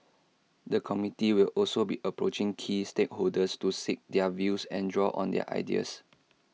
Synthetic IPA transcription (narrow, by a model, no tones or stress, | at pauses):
dəkʰɔmitiwilɔlsobiʔəpɹot͡ʃɪ̃ŋkʰistek̚holdəstusik̚dɛəvjusɛ̃ndɹɔʔɔ̰̃ndɛ̰ə̰ʔa̰ɪdḭə̰s